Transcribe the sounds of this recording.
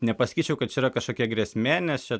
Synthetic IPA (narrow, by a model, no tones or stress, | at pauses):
nʲɛpɐsɐ̥kʲiːt͡ʃʲɛʊkɐt̪t͡ʃʲɛɪiːɾɐkɐʃkoːkʲiɛɡɾʲɛsʲmʲeːnʲɛst͡ʃʲɛ